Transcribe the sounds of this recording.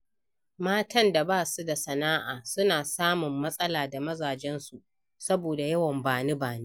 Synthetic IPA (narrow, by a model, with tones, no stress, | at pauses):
maː˦tɐ˦nda˨baː˦su˦da˨sɐ˨naː˦ʔaː˨sʊ˦naː˨saː˦mʊ˨mːɐ˦sʼɐ˦laː˨da˨mɐ˦zaː˨d͡ʒɛ˦nsu˨ʔ | sɐ˦boː˨da˨jɐ˦wɐ˨mbaː˨ne˦baː˨neː˦